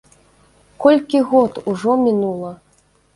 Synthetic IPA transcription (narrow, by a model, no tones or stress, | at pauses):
kɔlʲkʲiɣɔt̪uʐɔmʲinulˠɐ